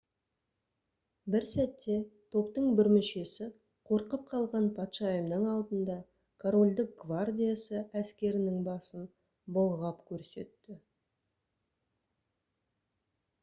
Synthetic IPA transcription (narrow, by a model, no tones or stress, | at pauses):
bɪɾsæt̪ːe̞t̪ʰo̞pt̪əɴbɪɾmɪʃe̞sɪ | qʰo̞ɾqəp̚qʰɑlˠʁɑnpʰɑt̪ʃɑjəmnəɴɑlˠd̪ənd̪ɑ | kʰoɾo̞lʲd̪ɪk̚ɡvard̪ʲijasəæskʲe̞ɾɪnɪŋbɑsən | bʊlˠʁɑpkʲʰɵɾse̞̰t̪ːɪ